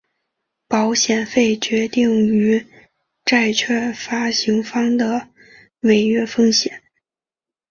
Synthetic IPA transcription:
pɑ˧˥ʊɕjɛ˨˩nfe˥˩ɪt͡ɕɥɛ˧˥t̪i˥˩ŋy˧˥ | ʈ͡ʂa˥˧ɪt͡ɕʰɥɛ˥˩fa˥ɕi˧˥ŋfɑ˥ŋd̪ə˨ | me˨˩ɪɥɛ˥fɤ˥ŋɕjɛ˨˩˦n

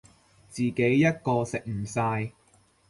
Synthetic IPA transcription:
t͡siː˨ke˨˥jːɐ˥t̚kɔː˧sɪ˨k̚m̩˨˩saː˧j

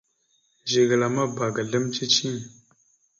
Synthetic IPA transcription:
ʒi˨ɡə˨la˨ma˦ba˨ɡa˨ɮə˦mt͡ʃi˦t͡ʃʰĩ˦

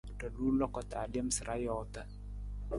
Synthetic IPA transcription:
tə˨lu˦lɔ˦kɔ˨t̪a˨djɛ˦msə˨ɾa˦jɔ˨t̪ə˦

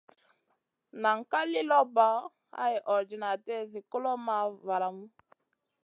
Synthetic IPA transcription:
na˨ŋ˨ka˦li˦lɔ˦ba˦ | a̰˦ji˨ʔɔ˨d͡ʒi˨na˨tɛ˦zi˨ko˦lɔ˦ma˦va˨la˨mu˦

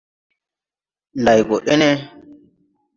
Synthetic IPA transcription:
nda˨jɡo˨ʔe˦ne˦

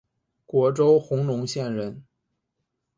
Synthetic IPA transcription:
kwɔ˧˥ʈ͡ʂo˥ʊxʊ˧˥ŋlʊ˧˥ŋɕjɛ˥˩˧nɻə˧˥n

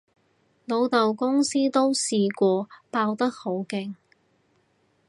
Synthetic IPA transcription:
lo˨˧wt̪ɐ˨wkʊ˥ŋsiː˥t̪o˥wsiː˧kʷɔː˧paː˧wt̪ɐ˥k̚ho˨˥wkɪ˨ŋ

